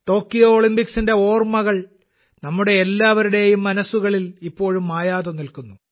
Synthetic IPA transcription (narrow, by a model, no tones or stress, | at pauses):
t̪o̞ːkːijoːɭimpiksinde̞o̞ːrmɐɣɐɭ | nɐmːuɽe̞ːlːaːʋɐɾuɽe̞jumːɐnɐsːuɣɐɭilipːo̞ːɻumːaːjaːðonilkunːu